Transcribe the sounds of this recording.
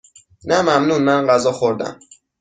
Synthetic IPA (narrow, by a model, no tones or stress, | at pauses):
næmæmnuːnmænɢæzɒːxoɾd̪æ̰m